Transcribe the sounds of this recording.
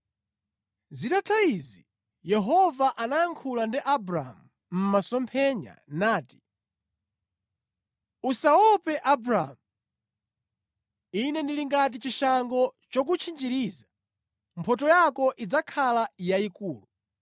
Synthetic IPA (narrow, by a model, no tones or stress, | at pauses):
zitatʰaizi | jɛɦɔvaʔanajaŋkʰulandiʔabɾa̰mu | m̩masɔmpʰɛɲa̰naːti̥ | usaɔpɛʔabɾa̰mu | inɛndiliŋɡat̬it͡ʃiʃaŋɡɔt͡ʃɔk̬ut͡ʃʰind͡ʒiɾiːza | mpʰɔtɔjakɔʔid͡zakʰalajaikuːlu